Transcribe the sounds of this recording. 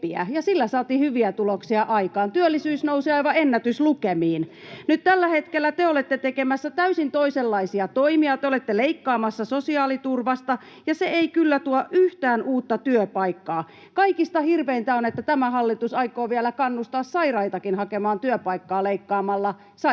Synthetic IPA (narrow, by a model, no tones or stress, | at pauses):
iæ̰jɑsilːæsɑːt̪iːhyʋiæt̪uloksiɑʔɑikɑːnt̪yølːisyːsnousiɑiʋɑenːæt̪yslukemiːn | nyt̪t̪ælːæhet̪kelːæt̪eolet̪ːet̪ekemæsːæt̪æysint̪oiselːɑisiɑt̪oimiɑt̪eolet̪ːeleikːɑːmɑsːɑsosiɑːlit̪urʋɑst̪ɑ | jɑseeikylːæt̪uɑʔyht̪æːnuːt̪ːɑt̪yøpɑikːɑː | kɑikist̪ɑhirʋeint̪æonet̪ːæt̪æmæhɑlːit̪usɑikˑoːʋielækɑnːust̪ɑːssɑirɑit̪ɑkinhɑkemɑːnt̪yøpɑikːɑːleikːɑːmɑlːɑ | sɑ